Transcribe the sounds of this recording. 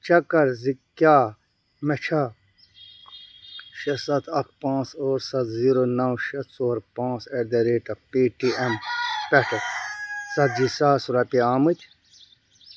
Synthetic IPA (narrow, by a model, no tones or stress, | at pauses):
t͡ʃɐkɐɾzikːjaː | met͡ʃʰa | ʃɐsɐt̪ʰɐkpãːt͡soːɾsɐt̪ʰziːɾoːnɐwʃɐt̪soːɾpãːt͡sed̪eɾeːʈɐpiːʈiempeʈʰɐsɐt̪d͡ʒisaːsuɾɐpiaːmɨt̪ʲʰ